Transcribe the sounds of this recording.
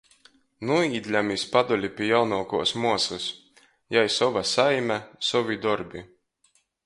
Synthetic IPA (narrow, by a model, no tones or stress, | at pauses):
nuiːd̪ʲlʲæmispad̪ɔlʲipʲijawnuːkuɔsmuɔsus | jajsɔvasajmʲæsɔvʲid̪ɔɾbʲi